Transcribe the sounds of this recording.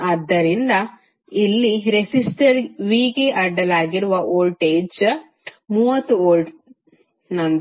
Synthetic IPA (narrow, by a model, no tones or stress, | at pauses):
ɐd̪ːɐɾind̪ɐ | ilːiɾesisʈɐɾʋiːɡeʔɐɖːɐlaːɡiɾuʋɐʔoːlʈeːd͡ʒ | muːʋɐt̪ːuoːlʈ | nɐn